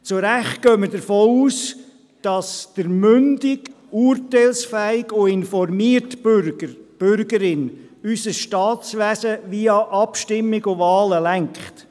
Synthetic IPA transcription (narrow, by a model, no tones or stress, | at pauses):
t͡sʊɾæχtɡ̥œːmədəɾfɔːuːs | d̥ɑsd̥əɾmʏndɪɡ | uːɾtɛlsfæɪɡʊɪnfɔɾmiəɾtɾɡəb̥ʏɾɡəɾɪnysəsʃtɑːtsʋæsəʋiɑʔɑpʃtɪmːɪɡʊvɑːləlæŋkχt